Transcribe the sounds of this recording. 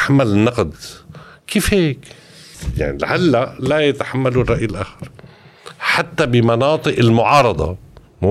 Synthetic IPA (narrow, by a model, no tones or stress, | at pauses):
ħamːalɪnːɑqd̪kiːfheːk | ja̰ʕnḭlʕalːalajat̪ḁħamːalurˤːɑʔjɪlʔaːxɑɾˤ | ħat̪ːabɪmɑnɑːt̪ˤɨʔɪlmʊʕɑːɾˤɑd̪ˤɑ̰ | m